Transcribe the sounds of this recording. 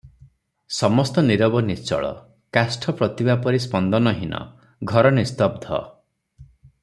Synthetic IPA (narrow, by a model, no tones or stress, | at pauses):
sɔmɔst̪ɔniɾɔbɔnist͡ʃɔ̰ɭɔ̰ | kasʈʰɔpɾɔt̪ibapɔɾispɔnd̪ɔnɔɦinɔ̰ | ɡʱɔɾɔnist̪ɔb̚d̪ʱɔ̰